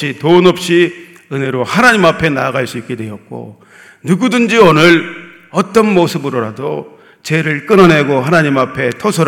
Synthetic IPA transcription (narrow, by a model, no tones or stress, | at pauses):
itonʌp̚ɕ͈i | ɯne̞ɾohanaɲimapʰe̞naɡaɭs͈uik͈e̞dwe̞jʌt̚k͈o̰ | nuɡudɯnd͡ʑionɯɾ | ʌt͈ʌnmosʰɯbɯɾoɾado | t͡ɕe̞ɾɯɭk͈ɯnʌne̞ɡoɦanaɲimapʰe̞tʰosʰoɾ